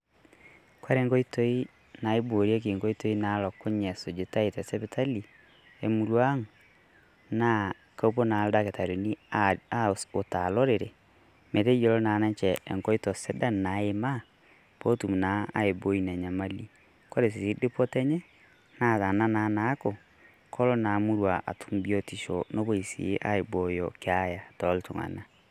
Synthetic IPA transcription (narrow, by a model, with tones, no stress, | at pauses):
kwa˦ɾe˨ŋɡɔ˦i˦to˦i˦ | na˨e˦bo˨ɾja˦k̬i˨ŋɡo˦i˦to˨˦i˦na˨˦lɔ˨kːʊ˦ɲɛ˨sʊ˨d͡ʒe˨ta˦e˨tɛ˨sɛ˦pɪ˦tʰa˦li˨ | e˨mu˨ɾwa˦ŋ | na˦ | ka˦po˦na˨˦lda˦ke˨ta˨ɾo˨ni˦a˦o˨ta̰˨lɔ˦ɾe˨ɾḛ˨ | me˨te˦jo˨lɔ˦na˨na˦t͡ʃɛ˨ɛ̰˨ŋkɔ˦i˦tɔ˨se˦da˦na˨˦e˨ma˦ | po˦tu˨mna˨˦a̰˦e˨bo˦i˨na˨ɲa˨ma˦li˦ | ko˦ɾe˨s̬i˨si˦dɪ˦pɔ˦tɛ˦ɲɛ˦ | na˦ta˨na˦na˨˦na˦ko˨ | kʰɔ˦lɔ˦na˨˦mu˦ɾwa˨ʔa̰˨tʰu˦mbjo˦ti˨ʃo̰˨no˦bo˦i˨sḭ˨˦ʔa̰˦e˨bo˨jɔ˨ke˨˦a˦ja˨tɔ˨˦ltu˨ŋa̰˨na˦